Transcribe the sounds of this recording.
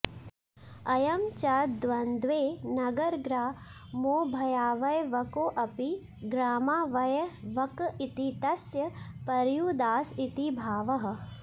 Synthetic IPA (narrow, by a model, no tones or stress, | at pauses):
ɐjɐmt͡ʃɐd̪ʋɐnd̪ʋeːnɐɡɐɾɡɾaː | moːbʱɐjaːʋɐjʋɐkoːʔɐpi | ɡɾaːmaːʋɐjɐʋɐkit̪it̪ɐsjɐpɐɾjuːd̪aːsit̪ibʱaːʋɐɦɐ̆